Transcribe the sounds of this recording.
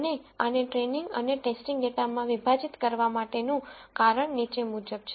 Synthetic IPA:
neəneʈɾeniŋɡə̰neʈesʈiŋɡɖet̪amãʋibʱad͡ʒit̪kəɾʋamaʈenũkaɾəɳnit͡ʃemud͡ʒəb̚t͡ʃʰe

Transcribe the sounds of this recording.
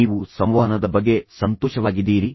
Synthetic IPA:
iːʋusɐmʋɐːɦɐnɐd̪ɐbɐɡːe̞sɐnt̪oːʃɐʋaːɡid̪ːiːɾi

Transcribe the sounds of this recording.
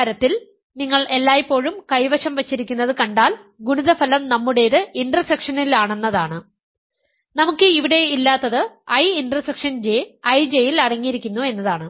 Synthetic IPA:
ɾɐt̪ːil | niŋːɐɭe̞lːaːjipːo̞ːɻumkɐjʋɐʂɐmʋɐt͡ɕːiɾikʲːunːɐðɨkɐɳɖaːl | ɡuɳuðɐfɐlɐmnɐmːuɽe̞jɐðɨinɖrɐsekʂɐnilaːɳe̞nːɐðaːɳɨ | nɐmukːɨiʋiɽe̞ilːaːt̪ːɐðɨɐjinɖrɐsekʂɐnd͡ʑeɐjd͡ʑe̞jilɐɽɐŋːijiɾikʲːunːue̞nːɐðaːɳɨ

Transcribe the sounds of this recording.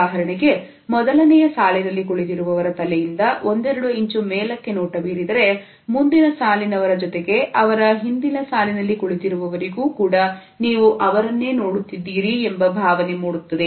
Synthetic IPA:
aːɦɐɾɐɳiɡe̞ | mɔd̪ɐlɐnɛjɐsaːlinɐlːikoɭit̪iɾuʋɐʋɐɾɐt̪ɐlɛjind̪ɐʋo̞nd̪ɛɾɐɽuiɲt͡ʃumɛːlɐkːe̞noːʈɐʋiːɾid̪ɐɾe̞ | mund̪inɐsaːlinɐʋɐɾɐd͡ʒɔt̪e̞ɡe̞ʔɐʋɐɾɐɦind̪inɐsaːlinɐlːikuɭit̪iɾuʋɐʋɐɾiɡuːkuːɽɐ | niːʋuʔɐʋɐɾɐnːe̞ːno̞ːɽut̪ːid̪ːiːɾiembɐbʱaːʋɐnemuːɽut̪ːɐd̪e

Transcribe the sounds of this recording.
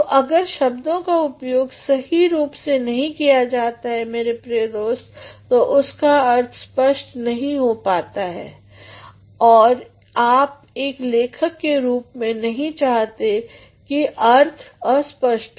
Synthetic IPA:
oʔɐɡəɾʃɐbd̪õkaʊpjoːɡsɐɦiɾuːpsenɐɦĩkijad͡ʒaːt̪aɦɛmeːɾepɾiːəd̪oːst̪t̪oʔʊskaɐɾt̪ʰspəʃʈnɐɦĩɦopaːt̪aɦɛ̰ː | ɔːɾ | aːp̚ | eːkleːkʰəkːeɾuːpmẽnɐɦĩt͡ʃaːɦt̪e | kiʔɐɾt̪ʰɔːɾspəʃʈ

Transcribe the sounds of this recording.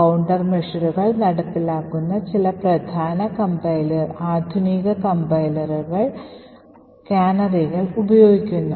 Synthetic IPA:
ɐwɳɖɐrmeʂɐɾuɣɐɭnɐɽɐpːilaːkːunːɐt͡ɕilɐprɐd̪ʱaːnɐkɐmbɐjlɐraːd̪ʱuniɣɐkɐmbɐjlɐruɣɐɭ | kaːnɐriɣɐɭubɐjoːɡikʲːunːu

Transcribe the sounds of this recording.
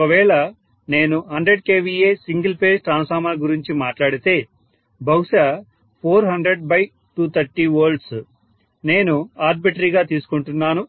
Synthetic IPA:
kɐʋɛːɭɐ | ne̞ːnuɦɐɳɖɾeɖ̚ke̞ːʋiːeːsiŋɡɐlpe̞ːsʈɾaːnsaːɾmaːɡuɾiɲt͡ʃimaːʈlaːɽit̪e̞ː | bɐwuʃɐ | pʰoːɾɦɐɳɖɾeɖ̚bɐj | ʈuːt̪ʰɐɾʈiːʋoːɾɖs | ne̞ːnuaːɾbiʈɐɾiːɡaːt̪iːsu̥kuɳʈunːaːnu

